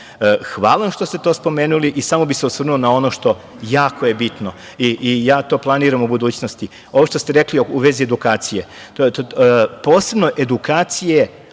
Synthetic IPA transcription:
xʋaːlˠaʃt̪ost̪et̪o̞ːspo̞meːnuliʔisamobiseusʋr̩nulonao̞noʃt̪o̞ | jaːko̞je̞bit̪no | iʔijaːt̪o̞ːplˠaniːɾamubud̪uːt͡ɕnost̪i | o̞ʋoʃt̪ost̪e̞ɾekliouʋe̞zied̪ukaːt̪sije̞t̪oopoːse̞bno̞ʔe̞d̪ukaːt̪sije

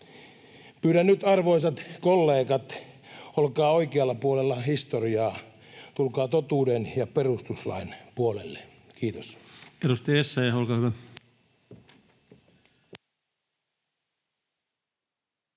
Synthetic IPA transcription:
pyːɾænnyt̪ɑrʋoisɑt̪kolːeːkɑt̪ | olkɑːoikeɑlːɑpuolelːɑhist̪oriɑː | t̪ulkɑːt̪ot̪uːdenjɑperust̪uslɑ̰inpuolelːe | kiːt̪oseɾust̪iesːæjæolkɑːhyʋæ

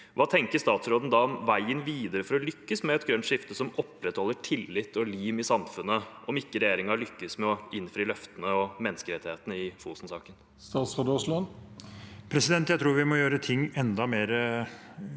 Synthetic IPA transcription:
ʋɑːt̪ʰɛŋkəɾʂt̪ɑːt̪sɾoːd̪n̩d̪ɑɔmʋæɪənʋiːd̪əɾəfɔɾɔlʏkːəsmɛɛt̪ɡɾœnt̪ʂɪft̪əsɔmɔpːɾɛt̪hɔlːəʈʰɪlːɪt̪ːɔliːʋɪsɑmfʉnːəɔmɪkːəɾɛjeːɾɪŋɑɭʏkːəsmɛɔɪnːfɾiːlœft̪ənəɔmɛnəskəɾɛt̪ːɪheːt̪ənəɪfuːsn̩sɑːkən | st̪ɑːt̪sʁoːd̪ɔslɔn | pʰɾɛsɪd̪ɛnt̪jæɪt̪ʰɾuːɾʋɪmɔjøːɾət̪ʰɪŋːɛnd̪ɑmeːɾə

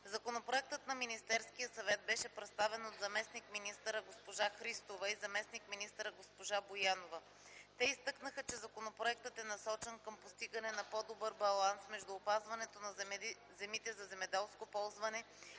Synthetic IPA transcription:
zɐkonopɾoɛk̚t̪ət̪nɐminist̪ɛɾsk̟ijəsɐvɛt̪̚bɛʃɛpɾɛt̪st̪avɛnod̪zɐmɛsnikminist̪əɾəɡospoʒaxɾist̪ovɐizɐmɛsnikminist̪əɾəɡospoʒabojanovə | t̪ɛist̪ɤknəxət͡ʃɛzɐkonopɾoɛk̚t̪ət̪ɛnɐsɔt͡ʃɛnkəmpost̪iɡɐnɛnɐpɔd̪obɤɾbɐlˠansmɛʒd̪uːpazvɐnɛt̪onɐ | zɛmit̪ɛzɐzɛmɛd̪ɛlˠskopɔlˠzvɐnɛ

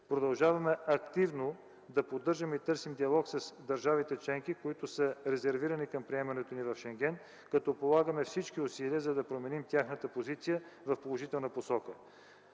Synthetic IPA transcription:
pɾod̪ɐlˠʒavɐmɛɐkt̪ivno | d̪ɐpod̪ːɤɾʒəmit̪ɤɾsimd̪iɐlˠɔksɐsd̪ɐɾʒavit̪ɛt͡ʃlɛŋkikoit̪ʊsəɾɛzɛɾviɾɐnikɐmpɾiɛmɐnɛt̪onivɐfʃɛŋɡɛn | kɐt̪ɔpolˠaɡəmɛfsit͡ʃkiʊsiliəzɐd̪ɐpɾomɛnimt̪ʲjaxnət̪əpozit̪sijəvɐfpolˠoʒit̪ɛlˠnəposɔkə

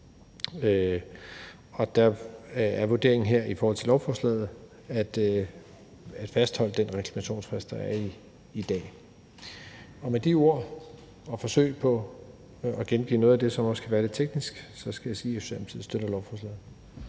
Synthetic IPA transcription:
ø | ɒ̽d̥ɑæɐʋo̝de̝ɐeŋn̩ɦeɐ̰ifɒɔːhɒ̽lt͡sʰe̝lɒʊfɒːslɛ̰ːð̩ˠ | æd̥ | æd̥fæsd̥hɒ̽l̰əd̥enʁɛkʰlæmæɕo̝̰ːnsfʁesd̥d̥ɑæɐiː | d̥ɛ̰ː | ɒ̽med̥io̝ɐ̰ | ɒ̽fɒ̽sø̰ɪpʰɒ̽ | ɒɡ̥enɡ̥ḭːnɔːðˠæd̥e̝sɒ̽mɒ̽skʰæʋæːɐɾe̝̥t͡sʰeɡ̥nisɡ̥sɒ̽sɡ̥æjasḭːe̥sæmt͡sʰið̩ˠsd̥øɾ̥ɐlɒʊfɒːslɛ̰ːð̩ˠ

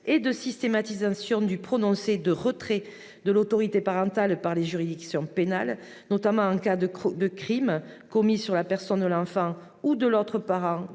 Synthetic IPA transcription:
ed̪əsist̪emat̪izasjɔ̃d̪ypχɔnɔ̃sed̪əʁət̪χɛ | d̪əlot̪ɔʁit̪epaʁɑ̃t̪alpaʁleʒyʁid̪iksjɔ̃penal | nɔt̪amɑ̃ɑ̃kad̪əd̪əkχimkɔmisyʁlapɛʁsɔnd̪əlɑ̃fɑ̃ | ud̪əlɔt̪χəpaʁɑ̃

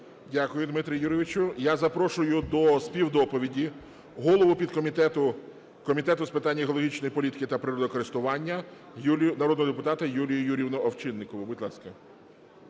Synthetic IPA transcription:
dʲakʊjʊd̪mɪt̪ɾʲijuɾɪʋɪt͡ʃʊjazɐpɾɔʃʊjʊd̪ɔspʲiwd̪ɔpɔʋʲidʲi | ɦɔlˠɔʋʊpʲid̪kɔmʲit̪ɛt̪ʊ | kɔmʲit̪ɛt̪ʊspɪt̪ɑnʲːiɦɔlˠɔɦʲit͡ʃnɔjipɔlʲit̪ɪ̥kɪt̪ɐpɾɪɾɔd̪ɔkɔɾɪst̪ʊʋɑnʲːɐ | nɐɾɔd̪nɔɦɔd̪epʊt̪ɑt̪ɐjulʲijʊjuɾʲiwnɔɔwt͡ʃɪnːɪkɔʋʊbʊdʲlˠɑ̰skɐ

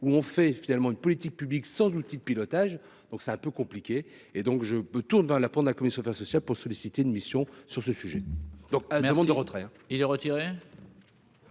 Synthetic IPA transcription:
uɔ̃fɛfinalmɑ̃ynpɔlit̪ik̚pybliksɑ̃zut̪id̪əpilɔt̪aʒ | d̪ɔ̃ksɛt̪ɛ̃pøkɔ̃plikʲe | ed̪ɔ̃kʒəmət̪uʁnvɛʁlapɑ̃td̪əlakɔmisjɔ̃fɛʁsɔsjalpuʁsɔlisit̪eynmisjɔ̃syʁsəsyʒɛd̪ɔ̃kaad̪əmɑ̃d̪d̪əʁət̪χɛɛ̃ | ilɛʁət̪iʁe

